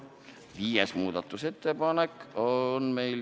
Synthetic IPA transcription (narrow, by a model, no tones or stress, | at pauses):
viːjesmuːd̪ɑt̪ːˑuse̞t̪ːepɑnekːonme̞jl